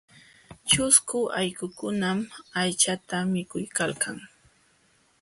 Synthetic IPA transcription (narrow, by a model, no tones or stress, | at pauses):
t͡ʃʊskʊajkʊkʊnamajt͡ʃat̪amɪkʊjkalkʰaŋ